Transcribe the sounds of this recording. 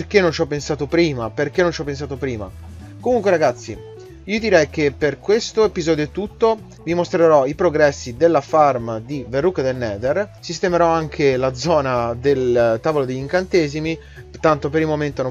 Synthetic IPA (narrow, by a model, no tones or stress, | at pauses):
rk̟enːont͡ʃɔpːensaːt̪opɾiːmaperk̟enːõnt͡ʃɔpːens̬aːt̪opɾiːma̰ | komuŋkweɾaɡat̪sːḭ | iːod̪iɾɛjk̟epːerkwest̪oepizɔːd̪joet̪ːut̪ːo | vimost̪ɾeɾɔipɾoɡɾɛsːid̪elːafarmad̪iverːukd̪elnɛːd̪ersist̪emeɾɔaŋk̟ʰelad̪zɔːnad̪elt̪aːvolod̪eʎːiŋkant̪eːzimi | t̪ant̪opeɾilmoment̪ono